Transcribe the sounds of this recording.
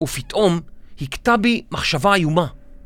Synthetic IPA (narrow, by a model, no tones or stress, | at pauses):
ufitʔomhiktabimaχʃavaːjuma